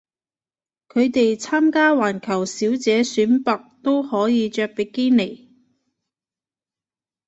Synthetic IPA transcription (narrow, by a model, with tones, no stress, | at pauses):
kʰɵ˨˧ɥt̪e˨jt͡sʰaː˥mkaː˥waː˨˩nkʰɐ˨˩wsiː˨˥wt͡sɛː˨˧syː˨˥npɐ˨k̚t̪o˥whɔː˨˥jiː˨˧t͡ʃœː˧k̚pe˨˩keː˥ne˨˩j